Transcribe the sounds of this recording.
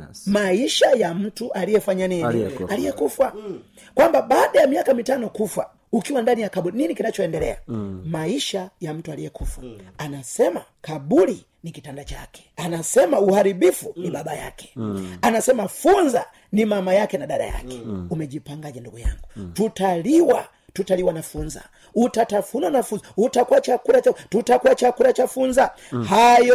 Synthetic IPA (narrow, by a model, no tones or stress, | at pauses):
maiʃajam̩tuʔalijɛfaɲaninialijɛkufwa | kwambaɓaːɗajamiakamitanɔkufwa | ukiwandanijakaɓulininikinat͡ʃɔɛndɛlɛ̰a̰maiʃajam̩tualijɛkufwa̰anasɛma | kaɓuli | nikitandat͡ʃakɛ̥anasɛmauhaɾiɓifuniɓaɓaja̰kɛ̥anasɛmafunza | nimamajakɛnaɗaɗa̰ja̰kɛ̥umɛʄipaŋɡaʄanduɡuja̰ŋɡututaliwa | tutaliwanafunza̰ | utatafunwanafuzautakuwat͡ʃakuɾat͡ʃatutakuwat͡ʃakuɾat͡ʃafunza | hajɔ